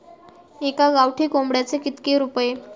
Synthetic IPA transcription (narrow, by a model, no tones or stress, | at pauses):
ekaɡawʈʰiːkombɽjat͡sekit̪keɾupje